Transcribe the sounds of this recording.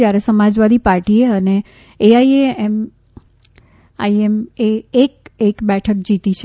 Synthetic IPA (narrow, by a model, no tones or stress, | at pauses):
jaɾesəmad͡ʒʋad̪ipaɾʈieəne | eaieem | a̰iemeek̚ekbɛʈʰək̚d͡ʒit̪it͡ʃʰe